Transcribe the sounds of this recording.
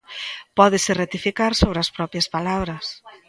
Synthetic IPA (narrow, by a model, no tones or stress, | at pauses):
pɔðɪsɪret̪ifikaɾsoβɾɪɐspɾɔpjɐspalaβɾɐs